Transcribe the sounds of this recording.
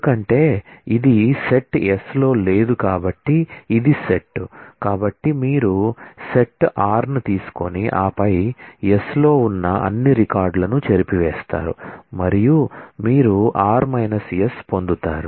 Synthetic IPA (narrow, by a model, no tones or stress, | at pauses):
ukɐɳʈe̞ːid̪ise̞ʈeslo̞ːle̞ːd̪ukaːbɐʈːiːd̪ise̞ʈːkaːbɐʈːimiːɾuse̞ʈaːɾnɐt̪iːsu̥ko̞niʔaːpɐjeslo̞ːunːɐɐ̰nːiɾikaːɾɖlɐnut͡ʃeɾipiʋɛːst̪a̰ːɾṵmɐɾijumiːɾuaːɾmɐjnɐsjespo̞nd̪ut̪aːɾu